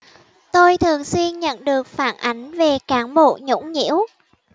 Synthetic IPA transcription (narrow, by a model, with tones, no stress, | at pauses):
t̪o˧jt̪ʰɨ˨˩əŋswi˧ənɲə̰˧˨nɗɨ˨˩ək̚faː˧˩nʔa˨˦jŋ̟ve˨˩kaː˨˦nɓo̰˧˨ɲṵ˧˥ŋ͡mɲḭ˧˥əw